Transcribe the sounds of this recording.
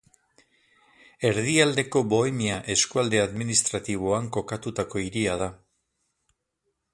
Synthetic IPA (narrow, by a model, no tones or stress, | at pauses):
e̞ɾðiald̪e̞ko̞bo̞emiaʔe̞skuald̪e̞aðminist̪ɾat̪iβ̞oaŋko̞kat̪ut̪ako̞iɾiað̞a